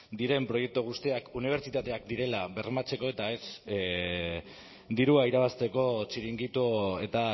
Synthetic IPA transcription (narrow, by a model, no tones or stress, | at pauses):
d̪iɾe̞mpɾo̞je̞k̚t̪uɣ̞ust̪iakuniβ̞eɾt͡ʃit̪at̪e̞akd̪iɾe̞laβe̞rmat͡se̞ko̞e̞t̪ae̞s | d̪iɾuaiɾaβ̞ast̪e̞ko̞t͡siɾiŋɡit̪ue̞t̪a